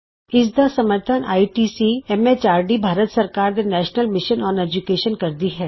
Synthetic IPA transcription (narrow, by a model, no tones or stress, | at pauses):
ɪsd̪asɐməɾt̪ʰənʔa̰ːiʈiːsiɛmeːt͡ʃaːɾɖibʱaːɾət̪sɐɾkaːɾd̪enɛːʃnəlmɪʃənɔːned͡ʒukeːʃənkɐɾd̪iɦɛː